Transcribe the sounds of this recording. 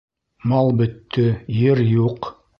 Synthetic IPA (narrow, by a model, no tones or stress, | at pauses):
mɑlˠbɵ̆t̪ːɘjeɾjuq